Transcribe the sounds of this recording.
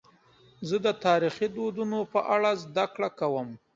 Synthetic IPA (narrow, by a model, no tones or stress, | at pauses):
zəd̪ət̪ɑɾixid̪od̪unopəʔaɽazd̪akɽakawəm